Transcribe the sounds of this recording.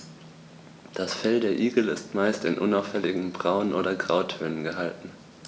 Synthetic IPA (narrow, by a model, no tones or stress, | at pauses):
d̥asfɛldeːɐʔiːɡl̩ɪstmaɪstɪ̰nʔʊnaʊfɛlɪɡŋ̩bʁaʊənʔoːɾɐɡʁaʊtʰøːnənɡəɦaltn̩